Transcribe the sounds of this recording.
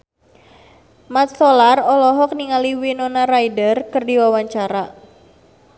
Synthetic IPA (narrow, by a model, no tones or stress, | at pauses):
mat̪̚sɔlarɔlɔɦɔk̚niŋaliwinɔnaɾajdərkɨrdiwawaɲt͡ʃaɾa